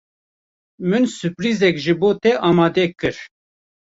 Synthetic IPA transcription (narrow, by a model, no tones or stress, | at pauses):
mɨnsɨpɾizɛkʒɨboːt̪ɛʔɑːmɑːd̪ɛkɨɾ